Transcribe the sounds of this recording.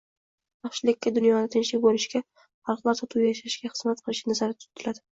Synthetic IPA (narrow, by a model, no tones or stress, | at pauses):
jɑχʃɪlɪkʲːad̪ʊnjɒnɪt̪ʰɪnʃlɪk̚ʲbolɪʃkʲa | χɑlˠqlˠaɾt̪ʰɒt̪ʰʊwjajaʃaʃɡʲaχɨz̥mat̪̚qʰɨlɪʃɪnazaɾɪt̪ʰʊ̥t̪ʰːɪlad̪ɪ